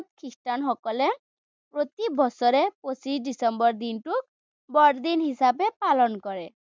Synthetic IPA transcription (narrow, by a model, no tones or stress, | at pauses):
t̪̚kʰistanxɔkɔle | pɹot̪ibɔsɔɾɛposisɖisɔmbɔɹd̪inʈuk̚ | bɔɖd̪inɦisabepalɔnkɔɹɛ